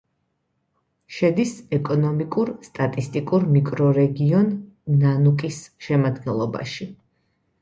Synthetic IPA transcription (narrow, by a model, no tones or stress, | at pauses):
ʃɛd̪isɛkʼɔnɔmikʼuɾst̪ʼat̪ʼist̪ʼikʼuɾmikʼɾɔɾɛɡiɔnː | anukʼisʃɛmad̪ɡɛnlˠɔba̰ʃi